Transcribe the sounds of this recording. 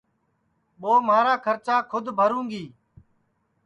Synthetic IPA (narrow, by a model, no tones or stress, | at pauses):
ɓoːmaːɾaːkʰəɾt͡ʃaːkʰʊd̪ʱbʱəɾũːŋɡiː